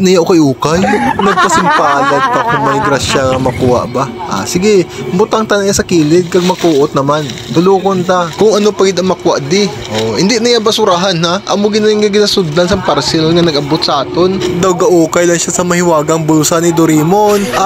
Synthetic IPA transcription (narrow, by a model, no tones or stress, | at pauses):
nɐjaʔokɐjʔuːkɐjmɐɡ̚p̪ɐsɪmpaːlɐd̪̚k̪ɐkʊŋmɐjɡɾaʃaŋɐmɐkʊwa̰ʔbaʔa̰sɪɡɛbʊt̪aŋt̪ɐnɐjasɐkiːlɪd̪̚kɐɡ̚mɐkuːʔot̪̚nɐman | t̪ʊloːkont̪akʊŋʔɐnopɐɡɪd̪ɐŋmɐkʊwaʔd̪ɪ | ʔohɪnd̪ɪnɐjabɐsʊɾaɦanɦaʔɐmoɡɪnaɪŋɡɐɡɪnasʊd̪ːɐnsɐŋpɐɾsɛlŋɐnɐɡʔɐbot̪̚sɐʔaːt̪ond̪ɐwɡɐʔuːkɐjlɐŋʃasɐmɐhɪwaːɡɐŋbʊlsanɪd̪oɾimon